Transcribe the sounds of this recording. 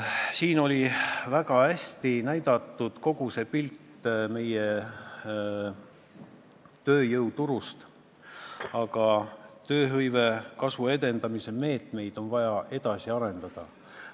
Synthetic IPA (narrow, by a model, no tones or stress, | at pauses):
siːno̞lʲivæɡ̥ɑæsʲt̪inæjd̪̥ɑt̪ːˑud̪̥ko̞ɡ̥use̞pilt̪ːˑ | me̞je | t̪ø̞ːjɤwt̪uɾust̪ | ɑɡ̥ɑt̪ø̞ːɦɤjve̞kɑsvue̞d̪e̞nd̪ɑmise̞me̞ːt̪ˑme̞jd̪̥o̞nvɑjɑʔe̞d̪̥ɑsiɑɾe̞nd̪̥ɑd̪̥ɑ̰